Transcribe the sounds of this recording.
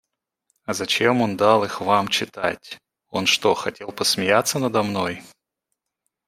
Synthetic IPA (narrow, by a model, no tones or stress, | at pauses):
ɐzɐt͡ɕemo̞nd̪alˠɨxvamt͡ɕɪt̪a̰tʲ | o̞nʂt̪oxɐtʲe̞lˠpəsmʲɪjat̪sːənəd̪ɐmno̞j